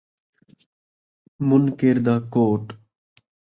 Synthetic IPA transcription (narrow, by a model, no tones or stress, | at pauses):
mʊnkeːɾd̪aːkoːʈ